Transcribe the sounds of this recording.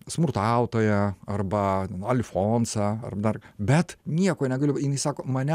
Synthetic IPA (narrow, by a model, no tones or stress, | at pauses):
smʊrt̪ɑʊt̪oːjɛɐrbɐt̪ʲɛnɐlʲɪfoːnsɑːɐ̰rbɐd̪ɐrbʲɛt̪nʲiɛkoːnʲɛɡɐlʲɪjɪnɐɪsɑːkoːmɐnʲɛ